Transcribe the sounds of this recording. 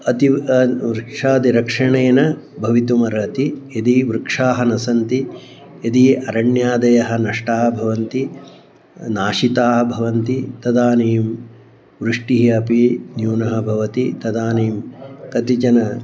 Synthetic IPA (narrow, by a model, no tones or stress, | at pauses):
ɐt̪iʋɾkʂaːd̪iɾɐkʂɐɳeːnɐbʱɐʋit̪umɐɾɐt̪ijɐd̪iʋɾkʂaːɦɐnɐsɐnt̪i | jɐd̪iɐɾɐɳjaːd̪ɐjɐɦɐ̆nɐʂʈaːɦɐbʱɐʋɐnt̪i | naːʃit̪aːɦɐ̆bʱɐʋɐnt̪it̪ɐd̪aːniːm | ʋɾuʂʈiɦiɐpinjuːnɐɦɐ̆bʱɐʋɐt̪it̪ɐd̪aːniːmkɐt̪it͡ʃɐnɐ